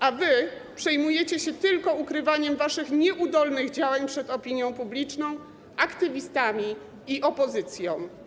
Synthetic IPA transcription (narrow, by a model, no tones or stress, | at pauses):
ʔavɘ | pʂɛjmujɛt͡ɕɛɕɛt̪ɘlkɔukɾɘvaɲɛmvaʂɘxɲɛʔud̪ɔlnɘɣd͡ʑawaɲpʂɛt̪ɔpʲiɲjɔ̃w̃publʲit͡ʂnɔ̃w̃ | ʔakt̪ɘvʲist̪amʲi | iʔɔpɔzɘt̪sʲjɔ̃w̃